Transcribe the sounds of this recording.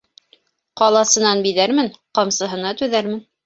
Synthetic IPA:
qɑlˠɑsɤ̆nɑnbiðæɾmɘnqɑmsɤ̆ɦɤ̆nɑt̪ʉðæɾmɘn

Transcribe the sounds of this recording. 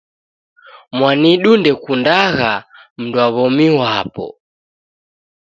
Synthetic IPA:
mwaniɗundɛkundaɣam̩dwaβɔmiwapɔ̰

